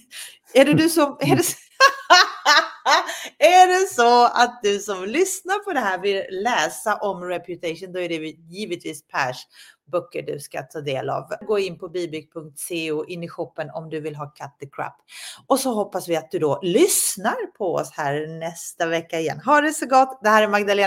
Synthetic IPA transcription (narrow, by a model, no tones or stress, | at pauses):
æɖɛd̪ɵsɔmɛɖɛ | æɖɛsɔa̰t̪̚d̪ɵsɔmlʏsnaɾpʰɔd̪ɛɦæːɾvɪlːɛːsaʔɔmɾɛpʰjʉt̪ʰɛʂʊnd̪ɔæɖɛvɪjiːvət̪viːspʰæʂbœkːəɖɵ̰ska̰t̪ʰɑːd̪eːla̰ːvɡoːɪnːpʰɔbiːbʏk̚pʰɵŋk̚t̪seːʉːʔɪnːɪɧɔpːənɔ̰md̪ɵvɪlɦɑːkʰat̪̚d̪əkʰɾa̰pːɔsɔɦɔpːasvɪat̪̚d̪ɵd̪ɔlʏsnaɾpʰɔɔ̰shæːɾnɛst̪avɛkːaɪjɛ̰nːɦɑɖɛsɔɡɔt̪ːd̪ɛhæːɾɛɾmaɡd̪aleː